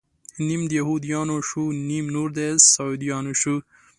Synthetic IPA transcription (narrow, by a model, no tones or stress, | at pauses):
nimd̪jɐɦud̪ijɑːnoʃunimnuɾd̪essɑd̪ijɑːnoʃu